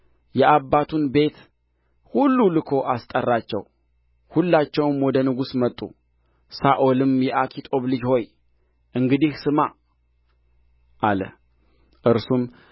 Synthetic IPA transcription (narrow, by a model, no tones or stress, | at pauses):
jɛʔabːat̪ʰunbe̞t̪ | hulːulɨkʰo̞ʔast̪ʼərːat͡ʃːɛw | hulːat͡ʃːɛwɨmwɔd̪ənɨɡusmət̪ʼːṵ | saʔolɨmjɛʔakʰit̪ʼo̞βlɨd͡ʒho̞j | ʔɨŋɡɨd̪ihsɨma | ʔalə̰ | ʔɨɾsum